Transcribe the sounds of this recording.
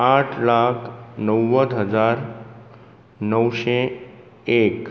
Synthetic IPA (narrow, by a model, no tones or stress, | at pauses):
aʈʰlakʰnəwːəd̪ɦəd͡ʒaɾ | nəwʃe | ek